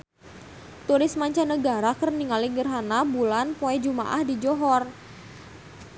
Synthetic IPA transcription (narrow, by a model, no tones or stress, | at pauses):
t̪uɾɪsmaɲt͡ʃanəɡaɾakərniŋaliɡərɦanabulanpoɛd͡ʒuma̰ʔahdid͡ʒɔɦɔr